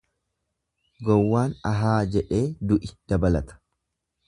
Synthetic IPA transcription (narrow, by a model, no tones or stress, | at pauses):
ɡɔwːaːnɐɦaːd͡ʒɛᶑe̞ːd̪ʊʔɪd̪̥ɐbɐlɐt̪ɐ̥